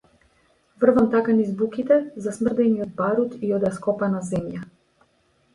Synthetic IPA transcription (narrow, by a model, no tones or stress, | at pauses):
vr̩vamt̪akanizbukit̪ɛzasmr̩d̪ɛniɔd̪̚baɾut̪iɔd̪askɔpanazɛmja